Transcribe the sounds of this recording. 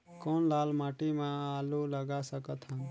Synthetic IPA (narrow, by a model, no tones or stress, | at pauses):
koːnlaːlmaːʈimẽaluləɡasəkət̪ʰɦə̃n